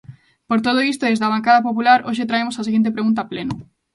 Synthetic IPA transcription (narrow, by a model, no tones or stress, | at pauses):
poɾt̪oðoist̪oðezðaβaŋkaðapopulaɾoʃ̬et̪ɾaemosaseɣent̪epɾeɣunt̪aplenʊ